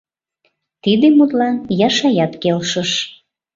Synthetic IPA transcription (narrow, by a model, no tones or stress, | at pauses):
t̪id̪emut̪lɑnjɑʃɑjɑt̪kelʃəʃ